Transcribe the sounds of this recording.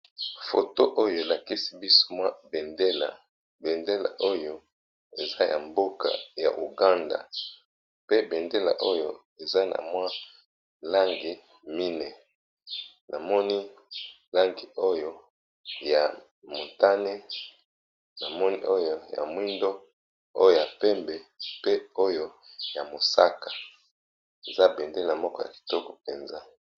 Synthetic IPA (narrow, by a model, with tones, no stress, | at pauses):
fo˨to˦ʔo˦jo˦˨e˨la˨ki˦si˦bi˦so̥˦mwa˦be˨nde˦la̰˨ | be˨nde˦la̰˨ʔo˦jo˦ | e˨za˦ja̰˨mbo˦ka̰˨ja̰˨ʔu˨ɡa˦nda̰˨ | pe˦be˨nde˦la̰˨ʔo˦jo̰˦ | e˨za˦na̰˨mwa˦ | la˦ŋɡi˨ | mi˦nɛ˨ | nʔa˨mɔ˦ni˦ | la˦ŋɡi˨o˦jo˦ | ja˨ | mo˨nta˦ne˦ | na˨mɔ˦ni˦ʔo˦jo˨ja̰˨mwi˦ndo˦ | o̰˦jo˨ja˨pɛ˦mbɛ˨pe˦o˦jo˦ja˨mo˨sa˦kḁ˨ | e˨za˦be˨nde˦la˨mɔ˦kɔ˦ja̰˨ki̥˨tɔ˦kɔ̥˨pe˨nza˦